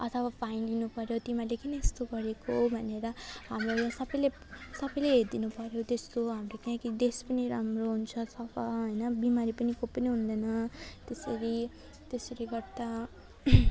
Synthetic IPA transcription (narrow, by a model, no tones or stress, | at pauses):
ʌt̪ʰʌwabʱajnlinupʌɾjot̪imalekinest̪oɡʌɾekobʱʌneɾʌɦamrojãsʌbʌjle | sʌbʌjleɦeɾd̪inupʌɾjot̪est̪oɦamrokiãkid̪espʌniɾamroɦunt͡sʰʌsʌpʌɦʌjnʌbimaɾipʌnikopːʌniɦund̪ʌjnʌt̪esʌɾi | t̪esʌɾiɡʌrd̪a